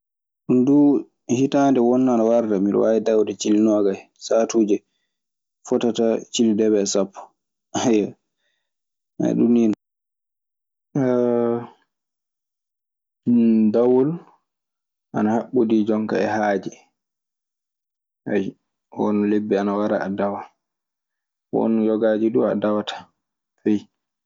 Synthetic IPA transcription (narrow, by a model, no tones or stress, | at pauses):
ɗundu | hitandɛwɔnːaanawaɾdamiɗ̰waɛdawdɛt͡ʃilinɔɡaj | satud͡ʒɛ | fɔtatat͡ʃilidɛβɛsapːu̥ | haja | a̰ɗṵnːin | dawɔl | ʔanahaɓːudid͡ʒɔŋkaɛhaːd͡ʒɛ | aj | wɔ̰nlebːɛanawaɾa̰ːdawa | wɔ̰njɔɡad͡ʒidua̰dawatʰḁ | aj